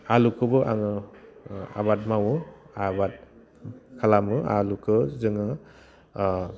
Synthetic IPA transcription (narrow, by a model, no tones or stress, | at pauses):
alukʰɯbɯʔaŋɯ | a̰βat̚mawɯ | abat̚ | kʰalamɯa̰lukʰɯzɯŋɯ